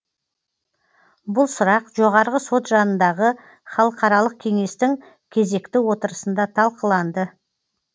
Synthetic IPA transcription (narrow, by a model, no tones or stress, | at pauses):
bʊlˠsʊɾɑqʒo̞ʁɑɾʁəso̞t̪ʒɑnənd̪ɑʁə | χɑlˠəqɑɾɑlˠəq̚kʲʰe̞ŋe̞st̪ɪŋ | kʲʰe̞ze̞kt̪ɪwo̞t̪əɾəsənd̪ɑt̪ʰɑlˠqəlˠɑnd̪ə